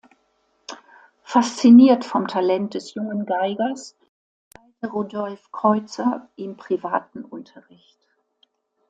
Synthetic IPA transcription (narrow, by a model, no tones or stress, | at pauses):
fast͡siniːɐtfɔmtʰalɛnt̚d̥ɛsjʊŋənɡaɪɡɐs | aɪtəʁuːdɔlfkʁ̥ɔʏt͡sɐʔɪmpʁ̥ivaːtn̩ʔʊntʰɐʁɪçt